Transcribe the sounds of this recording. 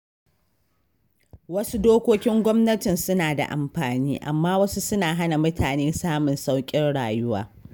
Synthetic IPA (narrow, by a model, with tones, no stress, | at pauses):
wɐ˦su˦doː˦kʷoː˦kʲɪ˦ŋɡʷɔ˦mnɐ˦tɪ˨nsʊ˦naː˨da̰˨ʔa̰˨mɸaː˨niː˦ʔa̰˨mːaː˦wɐ˦su˦sʊ˦naː˨ɦa˦na˨mʊ˦tʰaː˨neː˦saː˦mʊ˨nsa˦wkʲʼɪ˦rɽaː˨jʊ˦wa̰ː˨